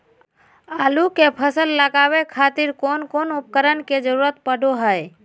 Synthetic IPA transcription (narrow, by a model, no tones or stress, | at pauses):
aːlukepʰəsəlːəɡaʋekʰaːt̪ɪɾkoːnkoːnʊp̚kəɾənked͡ʒəɾuːɾət̪pəɽʱoɦəj